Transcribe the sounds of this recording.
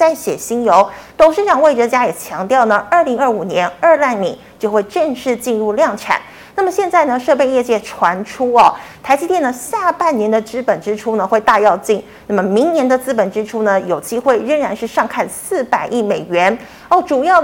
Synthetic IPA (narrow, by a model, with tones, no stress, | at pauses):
t͡sa˥˩ɪɕjɛ̰˨˩ɕi˥njo˧˥ʊt̪ʊ˨˩ŋʂɻ̩˥ʈ͡ʂɑ˨˩ŋwe˥˩ʈ͡ʂə˧˩t͡ɕja˥jɛ˨˩t͡ɕʰjɑ˧˥ŋt̪jɑ˥˩ʊnə˩ə˞˥˩li˧˥ŋə˞˥˩u˨˩njɛ˧˥nə˞˥˧la˥˩nlḭ˨˩˦t͡ɕjo˥˧ʊxwe˥˧ɪʈ͡ʂə˥˧ŋʂɻ̩˥˧t͡ɕi˥˧nɻu˥˧ljɑ˥˩ŋʈ͡ʂʰa̰˨˩˦n | na˥˩mə˩ɕjɛ˥˧nt͡sa˥˩ɪnə˩ʂɤ˥˧pe˥˧ɪjɛ˥˧t͡ɕjɛ˥˩ʈ͡ʂʰwa˧˥nʈ͡ʂʰu˥ɐ˨t̪ʰa˧˥ɪt͡ɕi˥t̪jɛ˥˩nə˩ɕja˥˧pa˥˩nnjɛ˧˥nd̪ə˧t͡sɹ̩˥pə˨˩nʈ͡ʂɻ̩˥ʈ͡ʂʰu˥nə˨xwe˥˧ɪt̪a˥˧jɑ˥˧ʊt͡ɕi˥˩n | nna˥˩mə˨˩mi˧˥ŋnjɛ˧˥nd̪ə˨˧t͡sɹ̩˥pə˨˩nʈ͡ʂɻ̩˥ʈ͡ʂʰu˥nə˨jo˨˩ʊt͡ɕi˥xwe˥˩ɪɻə˥˩ŋɻa˧˥nʂɻ̩˥˧ʂɑ˥˧ŋkʰa˥˧nsɹ̩˥˩pa˨˩ɪʔi˥˩me˨˩ɪɥɛ˧˥n | o˥˩ʊʈ͡ʂu˨˩jɑ˥˩ʊ